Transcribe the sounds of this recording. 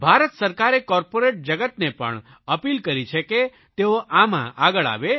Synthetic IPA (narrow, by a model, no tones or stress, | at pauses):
bʱaɾət̪səɾkaɾekɔɾpoɾeʈ̚d͡ʒəɡət̪nepə̰ɳ | əpilkəɾit͡ʃʰeke | t̪eoʔamã̰ʔaɡəɭa̰ʋe